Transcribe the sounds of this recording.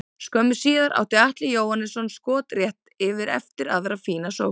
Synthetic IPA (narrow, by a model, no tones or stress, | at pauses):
skœmʏ̥siːðaɾʔa̰ːwht̪ɪaht̪lɪjoːwhanːɪsɔnskɔːt̪rjɛht̪ɪvɪɾɛ̰ft̪ɪɾaðɾafiːnasow